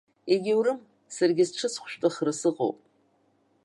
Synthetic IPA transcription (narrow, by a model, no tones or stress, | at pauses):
eɡʲɪwɾɨm | sarɡʲɪzʈ͡ʂʰɨsχʷʰʃʷᶣʼtʼɨχrɨsɨqʼo̰wpʼ